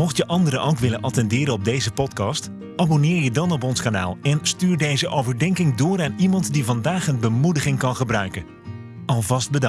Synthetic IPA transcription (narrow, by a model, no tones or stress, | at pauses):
mɔχtjəʔɑndəɾəʔowkʋɪlənʔɑtɛndɪːɾənɔb̚dejzəpɔtkɑst | ʔaːbonɪːɹjədɑnɔp̬ɔnskana̰ːlˠɛnstyːɹdejzəʔowvəɹdɛŋkɪŋdʊːraːnimɑntdivɑndaːχənbəmudəχɪŋkɑnχəbrœɥkən | ʔɑlˠvɑst̚bədɑ